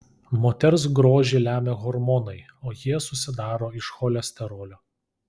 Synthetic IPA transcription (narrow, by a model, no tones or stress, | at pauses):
moːt̪ʲɛɾs̬ɡɾoːʒʲɪlʲæːmʲeɣɔɾmɔnɐɪ | oːjiɛsʊsʲɪd̪ɑːɾoːɪʃxoːlʲɛsʲt̪ʲɛɾoːlʲoː